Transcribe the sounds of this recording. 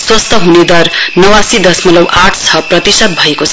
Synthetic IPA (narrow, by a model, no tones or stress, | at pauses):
swʌst̪ʰʌɦuned̪ʌrnʌwasid̪ʌsmʌlʌwʔaʈʰt͡sʰʌprʌt̪isʌt̪̚bʱʌekot͡sʰ